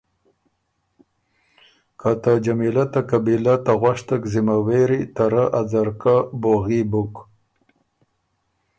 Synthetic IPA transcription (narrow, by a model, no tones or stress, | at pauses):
kat̪ad͡ʒamilat̪akabilat̪aɣwaʂt̪akzimaweɾit̪aɾaʔad͡zaɾkaboɣibʊk